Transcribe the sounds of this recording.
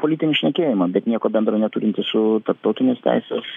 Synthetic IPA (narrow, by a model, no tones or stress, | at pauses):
polʲitʲɪnʲɪʃʲnʲɛkʲeːjɪmɐbʲɛt̪nʲiɛkoːbʲɛnd̪ɾonʲɛt̪uːɾʲɪnt̪ʲɪsʊt̪ɐɾp̚t̪ɐʊt̪ʲɪnʲeːst̪ʲæ̰ɪsʲeːs